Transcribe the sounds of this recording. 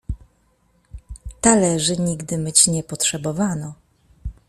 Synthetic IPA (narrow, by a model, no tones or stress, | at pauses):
t̪alɛʐɘɲiɡd̪ɘmɘt͡ɕɲɛpɔtʂɛbɔvanɔ